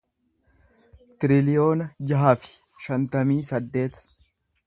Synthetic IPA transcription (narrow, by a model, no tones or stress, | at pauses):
t̪ɪɾɪlɪjo̞ːnɐd͡ʒɐɦaːfɪ̥ | ʃɐnt̪ɐmiːsɐd̪ːe̞ːt̪